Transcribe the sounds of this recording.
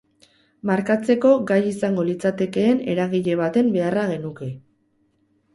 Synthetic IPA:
maɾkat͡se̞ko̞ɡajisaŋɡo̞lit͡sat̪e̞ke̞ːne̞ɾaɣ̞iʎe̞β̞at̪e̞mbe̞araɣ̞e̞nuke̞

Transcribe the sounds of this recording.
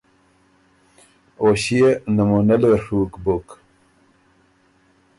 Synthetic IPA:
oːɕienɐmunɐleʂuːkbok

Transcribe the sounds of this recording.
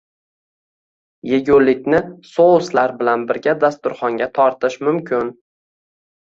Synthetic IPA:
jeɡʲolːɪkʲnɪsoʊslaɾbɪlanbɪɾɡʲad̪ast̪ʊɾχɒŋɡʲat̪ʰɒɾt̪ʰɪʃmʊmkʰʲɪn

